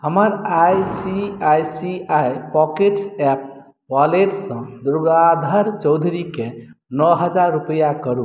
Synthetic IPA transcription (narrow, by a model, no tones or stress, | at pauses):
ɦəməɾajsiajsiajpɔkeʈsɛp̚ | waleʈsə̃d̪uɾɡad̪ʱəɾt͡ʃəwd̪ʱuɾikenɔɦəd͡ʒaɾːupəjakəɾu